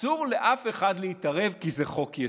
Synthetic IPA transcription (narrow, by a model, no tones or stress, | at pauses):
uʁle̞ʔafe̞χadleitɐʁe̞vkizeχo̞kja